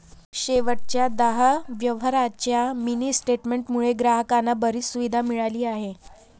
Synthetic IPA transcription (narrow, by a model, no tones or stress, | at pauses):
ɕeʋəʈ̚t͡ɕjad̪əɦəʋjəʋɦəɾat͡ɕjaminiːsʈeʈmeɳʈmuɭeɡɾaɦəkanːabəɾiːsuʋid̪ʱamiɭaliːaɦe